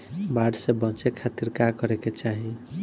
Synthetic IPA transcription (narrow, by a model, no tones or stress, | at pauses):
baɖsẽbɔ̃t͡ʃekʰat̪iɾkakɔɾeket͡ʃaɦĩ